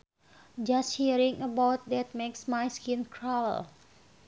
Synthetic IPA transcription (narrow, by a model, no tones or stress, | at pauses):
d͡ʒast̚hiɾĩŋəbawt̪̚dɛt̪̚meksmajskinkʰɹaw̰l